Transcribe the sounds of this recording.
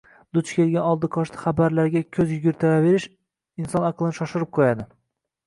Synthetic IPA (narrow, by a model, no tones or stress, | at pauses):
d̪̥ʊt͡ʃkʲʰe̞lɡʲanɒlˠd̪ɪkʰɒʃt̪ʰɪ̥χabaɾlaɾɡʲakʲʰɵzjʊɡʲɪɾt̪ʰavave̞ɾɪʃ | ɪnsɒnaqʰlˠɪnɪʃɒʃɪɾɪp̚qʰojad̪ɪ